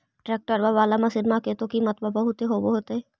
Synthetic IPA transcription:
ʈɾɛːk̚ʈəɾbaʋaːlamɐsɪɾmaket̪õkimɐt̪babɐɦʊt̪eɦoːboɦoːt̪eɦɛ

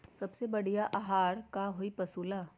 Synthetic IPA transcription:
sɐbsebɐɽijaʔɐɦaːɾkaɦoipɐsuːlaː

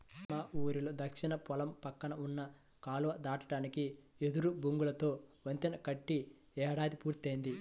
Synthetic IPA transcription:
maːʔuːɾilud̪ɐkʂinɐpɔlɐmpɐkːɐɳɐunːɐ | kaːluʋɐd̪aːʈɐʈaːnikied̪uɾubuŋɡulɐt̪o̞ːʋɐnt̪inɐkɐʈːi | ɛːɽaːd̪ipuːɾt̪ɐjnd̪i

